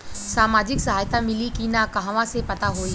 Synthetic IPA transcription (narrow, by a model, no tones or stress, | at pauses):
saːmaːd͡ʒɪksɐɦaːjt̪amɪlikinakɐɦãʋãsepɐt̪aɦoːi